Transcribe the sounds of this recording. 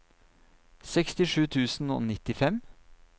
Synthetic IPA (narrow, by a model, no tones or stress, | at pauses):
sɛkst̪ɪʂʉːt̪ʰʉːsn̩o̰ːnɪt̪ɪfɛm